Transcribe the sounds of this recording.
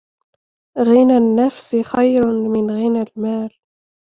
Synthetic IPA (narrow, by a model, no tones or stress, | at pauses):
ɣɪnanːafsɪxajɾmɪnɣɪnalmaːl